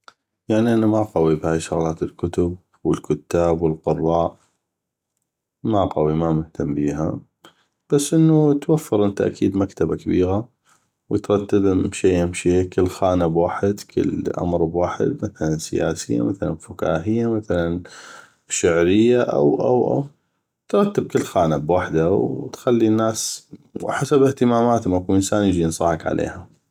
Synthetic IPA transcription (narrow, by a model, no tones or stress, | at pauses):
jaʕniʔanːamaqawibhaːjʃʊɣlaːt̪ɪlkʊt̪ʊb̚ | wɪlkʊt̪ːaːbwɪlqʊrˤːɑːʔ | maqawimamʊht̪ʰambiːɦa̰ | b̥asːʔɪnːut̪wafːɑɾˤʔɪnt̪aʔakʰiːd̪makt̪abakabiːɣa | wət̪ɾˤɑt̪ːabʃeːʔamʃikɪlːxaːnabwaːħɪd̪kʰə̰lʔa̰mɾˤbwaːħɪ̰d̪maθalansɪja̰ːsɪjːa̰maθala̰nfʊka̰ːɦɪjːamaθalan | ʃaʕɾɪjːaʔa̰wʔa̰wʔa̰w | t̪ɾˤɑt̪ːɪb̚kɪlːxaːnabwaħd̪awt̪xalːinːaːs | ħasabɪht̪ɪmaːmaːt̪makuʔənsaːnjɪd͡ʒinsˤɑħɑkʕa̰lʔḛːha